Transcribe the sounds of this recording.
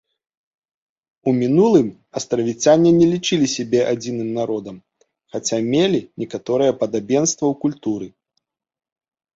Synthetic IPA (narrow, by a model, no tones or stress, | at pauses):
umʲinulˠɨm | ɐst̪ɾɐvʲit͡sʲanʲɛnʲɛlʲit͡ʂɨlʲisʲɛbʲɛʔad͡zʲinɨmnaɾɔd̪ɐm | xat͡sʲamʲelʲinʲɛkat̪ɔɾɨjɛpɐd̪abʲɛnst̪vɐwkulʲt̪uɾɨ